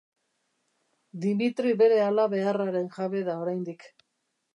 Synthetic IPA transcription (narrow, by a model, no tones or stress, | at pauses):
d̪imit̪ɾiβe̞ɾe̞alaβe̞araɾe̞nʝaβe̞ðao̞ɾajnd̪ik